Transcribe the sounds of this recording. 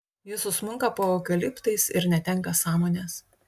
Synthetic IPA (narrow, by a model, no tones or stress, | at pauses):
jɪsʊsmʊŋkɐpoːoːkʲɐlʲɪpt̪ɐɪsɪ̰ɾnʲɛt̪ʲɛŋˑkɐsɑːmoːnʲeːs